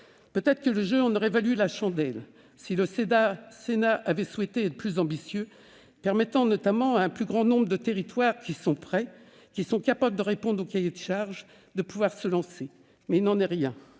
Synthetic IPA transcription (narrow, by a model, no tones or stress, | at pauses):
pøt̪ɛt̪χə̥kələʒøɑ̃nɔʁɛvalylaʃɑ̃d̪ɛl | siləsed̪asenaʔavɛswɛt̪eɛt̪plyzɑ̃bisjø | pɛʁmɛt̪ɑ̃nɔt̪amɑ̃aɛ̃plyɡʁɑ̃nɔ̃bʁəd̪ət̪eʁit̪waʁkʲisɔ̃pχɛ | kʲisɔ̃kapabləd̪əʁepɔ̃d̪ʁokajed̪əʃaʁʒ | d̪əpuvwaʁsəlɑ̃se | mɛilnɑ̃nɛʁjɛ̃